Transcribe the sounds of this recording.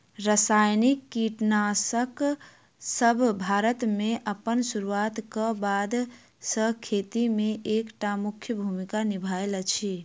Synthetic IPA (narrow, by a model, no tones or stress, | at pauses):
ɾəsajnikːiʈnasək | səbʱbʱaɾət̪meʔəpənsuɾuat̪kəbad̪ | səkʰet̪imeʔekʈamukʰjəbʱumikanibʱajlt͡ʃʰi